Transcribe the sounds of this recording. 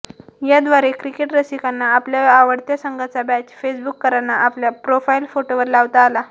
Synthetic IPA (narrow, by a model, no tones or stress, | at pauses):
jad̪ʋaɾekɾikeʈɾəsikanːaːpljaaʋəɽt̪jasəŋɡʱat͡sabæt͡ɕfesbukːəɾanːaʔapljapɾofailfoʈoʋəɾlaʋt̪aːla